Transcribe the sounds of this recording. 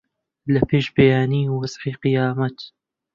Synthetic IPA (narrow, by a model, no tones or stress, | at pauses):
lɐpʰeːʃbɐjaːniːwɐz̥ħiːqɨjaːmɐt̪